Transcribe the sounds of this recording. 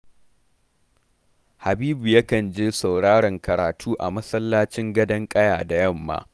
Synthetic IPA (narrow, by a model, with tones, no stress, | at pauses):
ha˨biː˦bu˨ja˦kɐ˨nd͡ʒeː˦sɐ˨wɽaː˦ɽɐ˨ŋkɐ˨ɾaː˨tʰuː˦ʔa̰˨mɐ˦sɐ˦lːaː˦t͡ʃɪ˦ŋɡɐ˦dɐ˦ŋkʼɐ˦jaː˨da˨jɐ˦˨mːa̰ː˦